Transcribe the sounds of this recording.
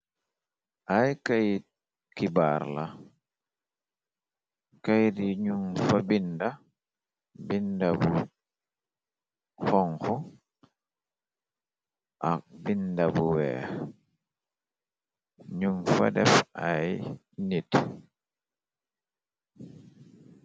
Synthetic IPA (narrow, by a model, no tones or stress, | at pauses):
ʔajkaj | kibaɾla | kajdiɲumfabinda | bindabu | xɔŋxɔ | ʔak̚bindabuwɛ̰ː | ɲumfa̰dɛfʔaj | nit